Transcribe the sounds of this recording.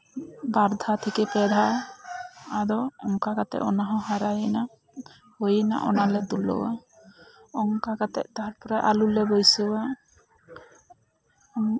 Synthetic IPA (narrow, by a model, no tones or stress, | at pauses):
baɾd̪ʱat̪ʰikɛpɛd̪ʱaː | dɔɔŋkakat̪ɛ̰ʔɔnaɦɔ̃ɦaɾajina | hojina̰ʔɔ̰nalɛd̪ulɔ̰wa̰ | ɔŋkakat̪ɛ̰ʔt̪aɦaɾpɔɾaʔalulɛbojsɔwa